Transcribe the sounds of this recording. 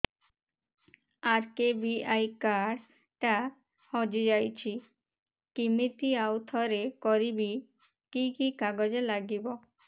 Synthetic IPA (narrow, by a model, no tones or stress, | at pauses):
aɾkebiajkaɽ | ʈa | hɔd͡ʑid͡ʒajt͡ɕʰi | kimit̪iawt̪ʰɔɾekɔɾibi | kikikaɡɔd͡ʑelaɡibɔ